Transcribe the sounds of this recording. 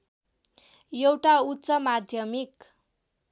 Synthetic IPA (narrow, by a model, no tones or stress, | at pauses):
jewʈautːsʌmad̪ʱjʌmik